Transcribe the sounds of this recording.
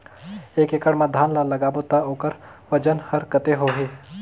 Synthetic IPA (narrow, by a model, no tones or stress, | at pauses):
eːkekəɽmãd̪ʱaːnlalɐɡaːbot̪aoːkəɾʋɐd͡ʒənhəɾkət̪eɦoːɦeː